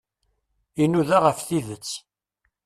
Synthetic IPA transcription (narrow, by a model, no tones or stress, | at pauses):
inuðaʁəfθiðət͡sː